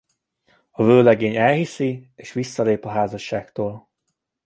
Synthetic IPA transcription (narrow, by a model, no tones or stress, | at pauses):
ɒvøːlɛɡeːɲɛlhisieːʃʋisːɒleːpɒɦaːzɒʃːaːkt̪oːl